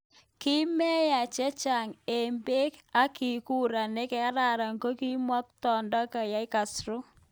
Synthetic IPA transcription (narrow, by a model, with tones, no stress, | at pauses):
ki˦mɛ˦ja˨t͡ʃɛ˦t͡ʃa˨ŋe˨mbe˦ka˦ki˨ku˦ɾa˨ne˦kɛ˦a˦ɾa˨ɾa˨ŋ˨ko˦ki˦mwɔ˦k̚tɔ˨ndɔ˦ka˨ja˦i˦ka˨sɾo˦